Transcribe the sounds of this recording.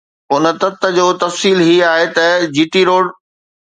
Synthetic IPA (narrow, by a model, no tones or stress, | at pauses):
ʊnə̆t̪ɐt̪ə̆d͡ʑoːt̪ɐfsiːlɦiaːɦet̪ɐd͡ʑiːʈiɾoːɽ